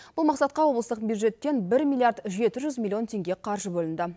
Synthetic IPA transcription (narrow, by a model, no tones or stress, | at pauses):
b̥ʊlˠmɑqsɑt̪̚qɑwo̞blˠəst̪əq̚bjud̪ʒe̞t̪ːe̞nbɪɾmʲilˠijaɾd̪ʒe̞t̪ɪʒʏzmʲilʲˠːio̞nt̪ʲʰe̞ŋɡʲe̞qʰɑɾʒəbɵlɪnd̪ɪ